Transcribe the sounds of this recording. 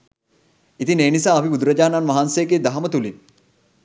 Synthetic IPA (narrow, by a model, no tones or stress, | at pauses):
it̪ineːnisaːɐpibud̪uɾɐd͡ʒaːnanʋɐɦansejɡeːd̪aɦɐmət̪ulin